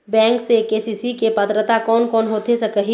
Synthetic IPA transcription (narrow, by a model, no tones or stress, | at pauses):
bɛ̃ːŋksekeːsiːsikepət̪ɾət̪akɔːnkɔːnɦoːt̪esɐkəɦi